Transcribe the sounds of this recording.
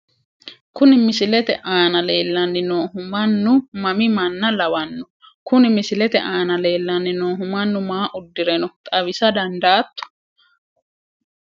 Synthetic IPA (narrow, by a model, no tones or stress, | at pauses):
kʊnɪmɪsɪlɛt̪ɛʔaːnɐle̞ːlːɐnːɪnoːɦʊmɐnːʊmɐmɪmɐnːɐlɐwɐnːʊ̥ | kʊnɪmɪsɪlɛt̪ɛ̰ʔaːnɐle̞ːlːɐnːɪnoːɦʊmɐnːʊmaːʔʊd̪ːɪɾɛnɔt̪ʼɐβɪsɐd̪ɐnd̪aːt̪ːʊ̥